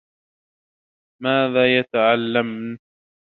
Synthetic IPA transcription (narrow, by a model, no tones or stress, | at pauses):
maːðaːjat̪aʕalːamn